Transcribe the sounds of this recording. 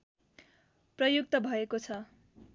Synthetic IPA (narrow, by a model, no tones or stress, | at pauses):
prʌjuk̚t̪ʌbʱʌekot͡sʰʌ